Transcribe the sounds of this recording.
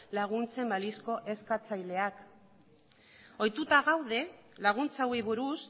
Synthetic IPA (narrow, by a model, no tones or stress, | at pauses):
laɣ̞unt͡se̞mbalisko̞ʔe̞skat͡sajle̞ak | o̞jt̪ut̪aɣawðe̞laɣ̞unt͡sawiβuɾus